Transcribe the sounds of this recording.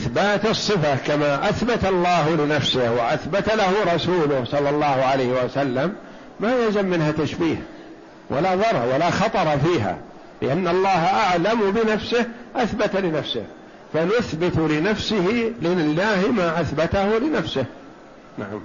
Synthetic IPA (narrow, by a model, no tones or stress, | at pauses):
ʔɪθbaːt̪ɨsˤːɨfakamaʔaθbat̪ɑlˤːɑːɦlɪnafsɪhwɪ̰ʔaθbat̪alahʊɾˤɑsuːlʊhsˤɑlːɑlˤːɑːhʊʕalajhɪwasalːamː | ajalzamːɪnhat̪aʃbiːh | wʔa̰laðˤɑɾˤwalaxɑt̪ˤɑɾˤɑfiːɦa̰ | lɪ̰ʔanːɑlˤːɑːhaʔaʕlambɪnafsɪhʔaθbat̪alɪnafsɪ̰h | fanʊθbɪt̪lɪnafsɪhilnɪlːaːhmaʔaθbat̪ahʊlɪnafsɪh | na̰ʕa̰m